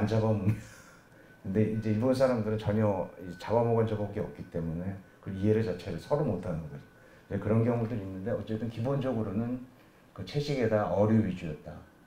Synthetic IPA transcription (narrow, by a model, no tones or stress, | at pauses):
and͡ʑabʌmune | kɯnde̞ʔind͡ʑe̞iɭbonsʰaɾamdɯɾɯnt͡ɕʌɲʌit͡ɕabamoɡand͡ʑabʌɡiʌp̚k͈it͈e̞mune̞kɯiɦe̞ɾɯɭt͡ɕat͡ɕʰe̞ɾɯɭsʰʌɾomotʰanɯɡʌɡʌd͡ʑo | id͡ʑekɯɾʌnk̬jʌŋudɯɾinːɯnde̞ʌt͡ɕ͈e̞t͈ɯnkibond͡ʑʌɡɯɾonɯn | kɯt͡ɕʰe̞ɕʰiɡe̞daʔʌɾjuɥid͡ʑujʌt̚t͈a̰